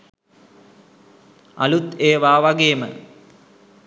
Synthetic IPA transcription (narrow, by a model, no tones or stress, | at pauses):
ɐ̰lut̪eːʋaːʋaɡeːmə̰